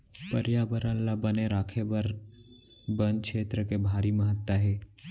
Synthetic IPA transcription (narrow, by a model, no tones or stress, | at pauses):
pəɾjaʋəɾãlabəneɾakʰeʋəɾ | bənkʃet̪ɾəkebʱaɾiːməɦət̪ːaɦe